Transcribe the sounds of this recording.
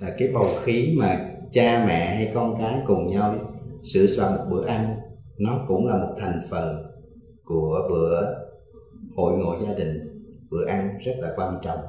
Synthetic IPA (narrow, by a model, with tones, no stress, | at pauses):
aː˨˩kaː˨˦jɓə˨˩wxi˨˦maː˨˩t͡ɕaː˧mɛ̰˧˨ha˧jkɔ˧nkaː˨˦jkʊ˨˩ŋ͡mɲa˧wsɨ̰˧˨swa̰ː˧˩mo˨˩t̚ɓɨ̰˧˩əʔa˧nnɔ˨˦kʊ̰˧˥ŋ͡mlaː˨˩mo˨˩t̚t̪ʰɛ˨˩jŋ̟fə˨˩n | ku˧˩əɓɨ˧˩˨əə | ho̰˧˨jŋo̰˧˨jzaː˧ɗï˨˩ŋ̟ɓɨ̰˧˩əʔa˧ŋzə˦˥t̚laː˨˩kwaː˧nt͡ɕɔ̰˧˨wŋ͡m